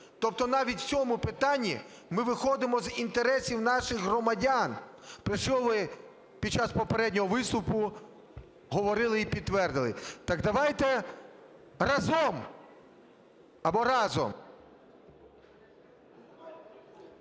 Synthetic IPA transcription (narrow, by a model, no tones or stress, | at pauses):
t̪ɔp̚t̪ɔnɑʋʲitʲt͡sʲɔmʊpɪt̪ɑnʲːḭ | mɪʋɪxɔd̪ɪmɔzint̪eɾɛsʲiwnɑʃɪɣɦrɔmɐdʲanpɾɪʃɔʋɪ | pʲid̪̚t͡ʃɑspɔpeɾɛdʲnʲɔɦɔʋɪst̪ʊpʊ | ɦɔʋɔɾɪlˠɪipʲid̪ːʋɛrd̪ɪlˠɪ̰t̪ɑɡd̪ɐʋɑjt̪ɛ | rɐzɔm | ɐbɔɾɑzɔ̰m